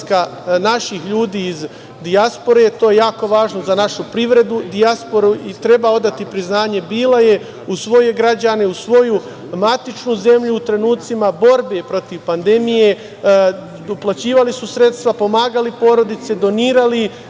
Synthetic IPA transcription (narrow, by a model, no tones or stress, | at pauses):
kanaʃixʎuːd̪iːz | d̪iaspo̞ɾe̞t̪o̞ːjejaːko̞ʋaːʒnozanaʃupɾiʋɾe̞d̪ud̪iaspo̞ɾuʔit̪ɾe̞bao̞d̪at̪ipɾiznaːɲe̞biːlˠaje̞ | usʋo̞je̞ɡɾad͡ʑane̞usʋo̞ju | mat̪it͡ʃnuze̞mʎuːt̪ɾe̞nuːt̪simabo̞ɾbe̞pɾo̞t̪iʋpand̪e̞mije̞ | uplˠat͡ɕiːʋalisusɾe̞t̪st̪ʋapo̞maːɡalipo̞ːɾo̞d̪it̪se̞d̪o̞niːɾali